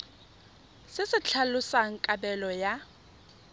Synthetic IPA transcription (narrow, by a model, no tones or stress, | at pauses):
sɪsɪt͡ɬʰalʊsaŋ̩kʼabɛlɔja